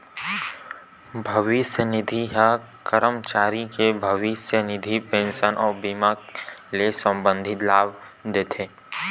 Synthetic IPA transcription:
bʱəʋɪsjənɪd̪ʱiɦa | kəɾəmt͡ʃaːɾikebʱəʋɪsjənɪd̪ʱipẽnʃənʔɔːɾbiːmaːklesə̃mbə̃nd̪ʱɪt̪laːʋ | d̪eːt̪ʰeː

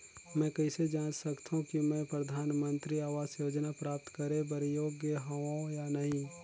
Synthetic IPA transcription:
mɛ̃ːkɛɪsed͡ʒãːnsɐkt̪ʰɦũkimɛ̃pɾɐd̪ʱaːnmə̃nt̪ɾiaːʋaːzjoːd͡ʒnapɾaːp̚t̪kɐɾẽbɐɾjoːɡjəɦoõjanɐɦĩ

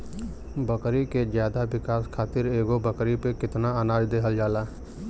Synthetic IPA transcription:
bɐkɾikezjaːd̪aʋɪkaːskʰaːt̪ɪɾeːɡobɐkɾipekɪt̪naanaːd͡ʒd̪eːɦəld͡ʒaːlaː

